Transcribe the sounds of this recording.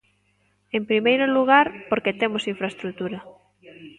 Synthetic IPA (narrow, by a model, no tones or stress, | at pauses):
empɾimejɾoluɣaɾpoɾket̪emosiɱfɾaest̪ɾut̪uɾɐ